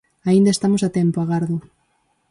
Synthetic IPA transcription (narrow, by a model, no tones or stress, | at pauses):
aind̪aest̪amosat̪ɛmpoaɣaɾðʊ